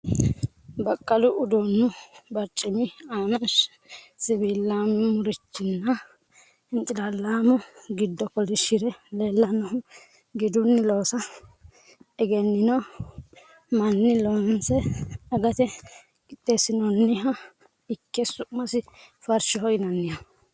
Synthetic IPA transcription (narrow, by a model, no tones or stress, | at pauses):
bɐkʼːɐlʊʔʊd̪ɔnːʊbɐɾt͡ʃʼːɪmɪaːnɐʃ | sɪbilːammʊɾɪt͡ʃːɪnːɐ | ɪnt̪ʼɪlalːaːmɔɡɪd̪ːɔkɔlɪʃɪɾɛleːlːɐnɔʊ | ɡɪd̪ʊnːɪloːsɐ | ɛɡɛnːɪnɔ | mɐnːɪlonsɛɐɡɐt̪ɛ | kʼɪt̪ʼːesɪnɔnːɪɦɐ | ɪkːɛsʊmɐsɪ | fɐɾʃɔhɔjnɐnːɪja